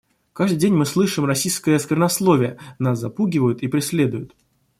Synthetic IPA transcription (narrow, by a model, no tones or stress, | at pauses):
kaʐd̪ɨdʲenʲmɨslˠɨʂɨmrɐsʲijskəjəskʲɪrnɐslˠo̞vʲɪjənaszɐpuɡʲɪvəjʊt̪ipɾʲɪsʲlʲe̞d̪ʊjʊt̪